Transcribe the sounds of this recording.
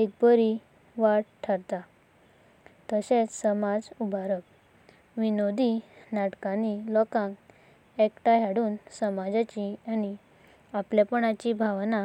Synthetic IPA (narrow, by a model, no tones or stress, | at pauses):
ek̚bəɾi | ʋaɽʈʰːəɾt̪a | t̪əɕẽt͡ssəmad͡zubʱaɾək̚ | ʋinod̪inaʈkãnilɔkãŋk | ekʈaɦaɽuːnsəmad͡zat͡ɕiani | apljapəɳat͡ɕibʱaʋna